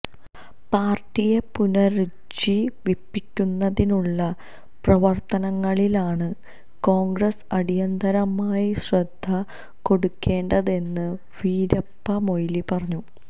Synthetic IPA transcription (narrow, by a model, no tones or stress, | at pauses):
paːrʈːije̞punɐɾu | d͡ʑiʋipːikʲːunːɐðinuɭːɐ | prɐʋɐrt̪ɐnɐŋːɐɭilaːɳɨ | ko̞ːŋɡrɐsɐɽijɐnd̪ʱɐɾɐmaːjiɕrɐd̪ʱːɐ | ko̞ɽukːe̞ːɳɖɐðe̞nːɨ | ʋiːɾɐpːɐmo̞jilipɐrɐɲːu